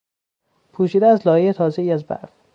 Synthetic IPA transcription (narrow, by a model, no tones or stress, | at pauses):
pʰuːʃiːd̪eæzlɒːjejet̪ʰɒːzeiːæzbæ̰ɾv